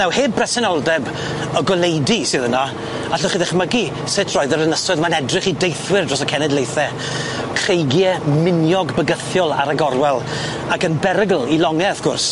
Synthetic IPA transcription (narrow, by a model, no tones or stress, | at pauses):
nawheːbrɛsɛnɔlˠdɛb | əɡɔlejdisɨːðəna | aɬʊχiðɛχməɡi | sɪtʰrɔːɨðəɾənəsɔðmanɛdrɪχidejθwɪrdrɔsəkʰɛnɛdlejθɛ | kʰr̥ejɡjɛmɪnjɔɡbəɡəθjɔlˠa̰ɾaɡɔrwɛlˠ | akənbɛɾəɡl̩ˠilɔŋɛafɡ̥ʊrs